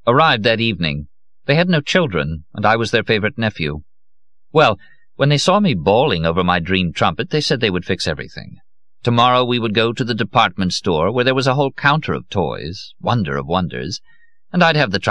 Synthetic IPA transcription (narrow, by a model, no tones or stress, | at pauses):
ə˞aɪvd̪̚ðɨɾivnɪ̰̃ŋ | ðeɪɨdⁿnoʊt͡ʃʰɪlˠdɹɨ̰̃nə̃naɪwʌzðə˞feɪvə˞ɨtⁿnɛfjʉ̰ | wɛlˠ | wə̃nðeɪsɔmibɔlˠɪ̃ŋoʊvə˞maɪdɹĩmtʰɹ̥ʌ̃mpɨt̪̚ðeɪsɛd̪̚ðeɪwɨd̥fɪksɛvɹḭθɪ̰̃ŋ | tʰɨmɑɹoʊwiwəd̚ɡoʊɾɨðɨdɨpʰɑɹt̚mɨ̃ntstɔɹwə˞ðə˞wʌzəɦoʊlˠkʰãʊ̃ntʰə˞ʌ̰v̥tʰɔ̰ɪz̥wʌ̃ndə̰˞ʌ̰vwʌ̃ndə̰˞z | ɨ̃naɪd̚ɨvðɨtʰ